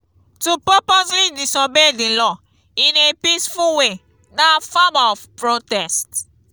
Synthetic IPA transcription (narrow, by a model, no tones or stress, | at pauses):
tupəposlidisɔbedĩlɔ | ĩnepisfuwe | nafamaɔfpɹotɛst